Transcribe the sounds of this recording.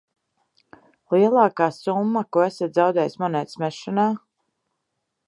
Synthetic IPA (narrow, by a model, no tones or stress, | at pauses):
liɛlˠɑːkaːsumːakuæsat̪zawd̪ɛːjsmɔnɛːt̪smɛʃanaː